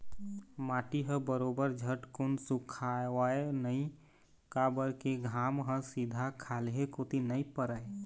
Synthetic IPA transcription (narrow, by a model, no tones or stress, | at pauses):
mãːʈiɦə̃bəɾoːbəɾd͡ʒʱəʈkʊnsʊkʰawaːenəĩ | kabəɾkeɡʱaːmɦə̃sid̪ʱakʰaːleɦekoːt̪inəĩpəɾəe